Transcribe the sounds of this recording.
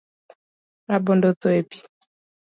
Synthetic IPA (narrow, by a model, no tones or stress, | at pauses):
ɾabɔndɔtɔepi̥